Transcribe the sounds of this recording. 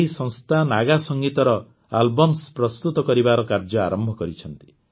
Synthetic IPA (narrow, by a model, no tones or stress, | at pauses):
ɦisɔ̃ŋst̪ʰanaɡasɔŋɡit̪ɔɾɔ | albɔmspɾɔst̪ut̪ɔkɔɾibaɾɔkaɾd͡ʒɔa̰ɾɔmbʱɔkɔɾit͡ʃʰɔn̪t̪i̥